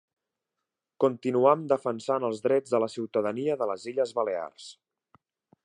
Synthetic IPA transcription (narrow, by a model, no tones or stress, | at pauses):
kunt̪inuamd̪əfənsanəlˠzðɾɛd͡zðələsiwt̪əðəniəðələziʎəzβəlea̰rs